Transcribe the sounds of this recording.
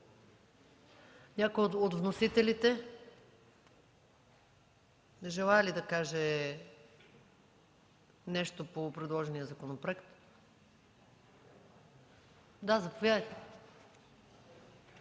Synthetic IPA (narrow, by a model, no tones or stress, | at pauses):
nʲakojot̪od̪vnosit̪ɛlit̪ɛ | nɛʒɛlˠaɛlid̪ɐkaʒɛ | nɛʃt̪opopɾɛd̪lˠɔʒɛnijəzɐkonopɾoɛkt̪ | d̪azɐpovʲjad̪əjt̪ɛ